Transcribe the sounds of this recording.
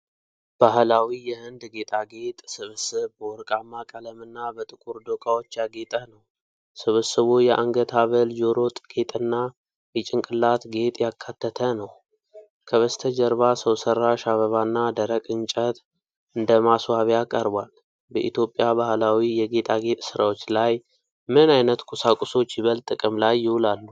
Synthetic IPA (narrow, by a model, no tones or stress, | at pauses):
b̥aɦlawijɛhɨnd̪ɡe̞t̪ʼaɡe̞t̪ʼsɨβɨsɨβbəwɔɾkʼamːakʼələmɨnːabət̪ʼɨkʼuɾd̪okʰʼawot͡ʃːjaɡe̞t̪ʼənəw | sɨβɨsɨβojɛʔaŋɡət̪ʰaβəld͡ʒo̞ɾo̞t̪ʼɡ̥e̞t̪ʼɨnːa | jɛt͡ʃʼɪŋkʼɨlːat̪ɡe̞t̪ʼjakʰːat̪ʰːət̪ʰənəw | kʰəβəst̪ʰəd͡ʒəɾβasəwsərːaʃaβəβanːad̪əɾəkʼɨnt͡ʃʼət̪ | ɨnd̪əmaswaβjakʼəɾbal | bəʔit̪jo̞pʼːjabahlawijɛɡe̞t̪ʼaɡe̞t̪ʼsɨɾawo̞t͡ʃːlaj | mɨnajnət̪kʼusakʼuso̞t͡ʃːjɪβəlt̪ʼɨkʼɨmlajːɪwʊlalːu